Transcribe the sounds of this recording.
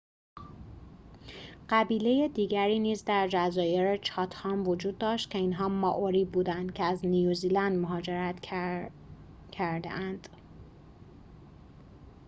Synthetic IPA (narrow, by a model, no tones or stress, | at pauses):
ɢæbiːle̞je̞d̪iːɟæɾiːniːzd̪æɾd͡ʒæzɒːje̞ɾet͡ʃʰɒːt̪ʰhɒːmvod͡ʒuːd̪ːɒːʃt̪cʲʰeinɦɒːmɒːʔoɾiːbuːd̪ænd̪cʰeæznijuziːlænd̪moɦɒːd͡ʒeɾæt̪ | cʰæɾd̪ḛʔænd̪̥